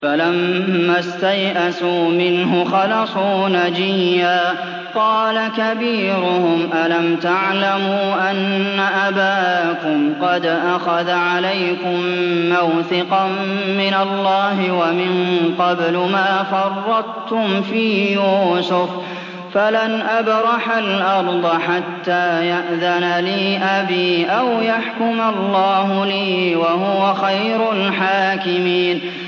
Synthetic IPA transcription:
falamːast̪ajʔasuːmɪnɦʊxɑlɑsˤuːnad͡ʒɪjːaː | qɑːlakabiːɾʊhʊmʔalamt̪aʕlamuːʔanːaʔabaːkʊmqɑd̪ʔaxaðaʕalajkʊmːawθɪqɑmːɪnalːɑːɦɪwamɪnqɑblʊmaːfɑrˤːɑqt̪ʊmfiːjuːsʊf | falanʔabɾˤɑħalʔɑɾˤd̪ˤɑħat̪ːaːjaʔðanaliːʔabiːʔawjaħkʊmalːɑːɦʊliːwaɦʊwaxajɾʊlħaːkɪmiːn

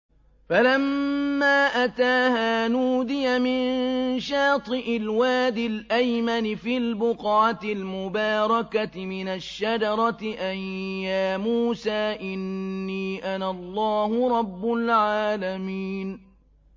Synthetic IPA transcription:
falamːaːʔat̪aːhaːnuːd̪ɪjamɪnʃɑːt̪ˤɨʔɪlwaːd̪ɪlʔajmanɪfiːlbʊqʕat̪ɪlmʊbɑːɾˤɑkat̪ɪmɪnaʃːad͡ʒɑɾˤɑt̪ɪʔajjaːmuːsaːʔɪnːiːʔanalˤːɑːhʊɾˤɑbːʊlʕaːlamiːn

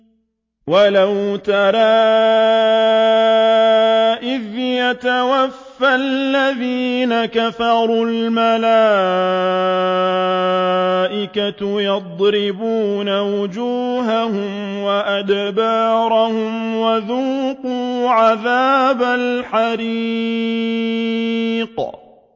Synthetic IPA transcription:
walawt̪ɑɾaː | ʔɪðjat̪awafːallːaðiːnakafɑɾˤulmalaː | ʔɪkajɑd̪ˤɾɪbuːnawʊd͡ʒuːɦahʊmwaʔad̪bɑːɾˤahʊmwaðuːquːʕaðaːbalħaɾi | q

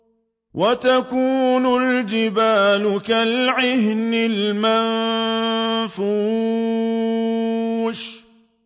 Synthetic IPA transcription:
wʔat̪akuːnʊld͡ʒɪbaːlʊkalʕɪhnɪlman | fuː | ʃ

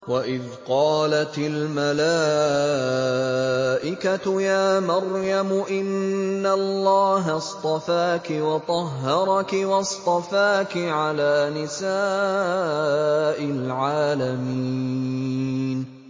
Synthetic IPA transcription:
waʔɪð | qɑːlat̪ɪlmalaː | ʔɪkat̪jaːmɑɾjamʊʔɪnːalˤːɑːɦast̪ˤɑfaːkɪwɑt̪ˤɑɦːɑɾˤɑkɪwɑst̪ˤɑfaːkɪʕalaːnɪsaː | ʔɪlʕaːlami | n

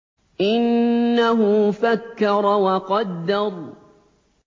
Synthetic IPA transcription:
ʔɪnːaɦʊfakːɑɾˤɑwɑqɑd̪ːɑɾˤ

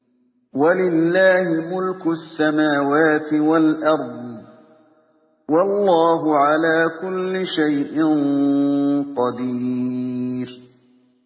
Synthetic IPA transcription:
walɪlːaːhɪmʊlkʊasːamaːwaːt̪ɪwalʔɑɾˤd̪ˤ | wɑlˤːɑːɦʊʕalaːkʊlːɪʃajʔɪn | qɑd̪iː | ɾ

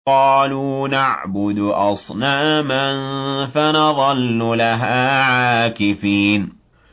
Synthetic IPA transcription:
ɑːluːnaʕbʊd̪ʔɑsˤnaːmanfanɑðˤɑlːʊlaɦaːʕaaːkɪfiːn

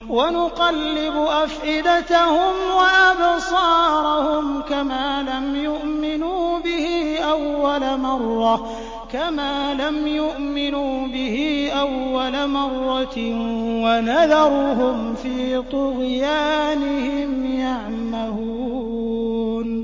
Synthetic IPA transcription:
wanʊqɑlːɪbʊʔafʔɪd̪at̪ahʊmwaʔabsˤɑːɾˤɑhʊmkamaːlamjʊʔmɪnuːbɪhiːʔawːalamɑrˤːɑ | kamaːlamjʊʔmɪnuːbɪhiːʔawːalamɑrˤːɑ | wanaðɑɾˤɦʊm | fiːt̪ˤʊɣjaːnɪhɪmjaʕ | maluː | n

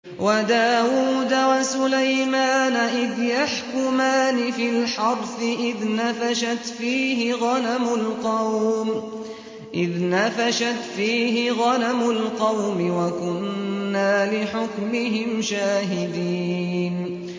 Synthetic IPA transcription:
wad̪aːwuːd̪awasʊlajmaːnaʔɪðjaħkʊmaːnɪfɪlħɑɾθɪʔɪðnafaʃat̪fiːɦɪɣɑnamʊlqɑwm | ʔɪðnafaʃat̪fiːɦɪɣɑnamʊlqɑwmɪwakʊnːaːlɪħʊkmɪɦɪmʃaːɦɪd̪iːn

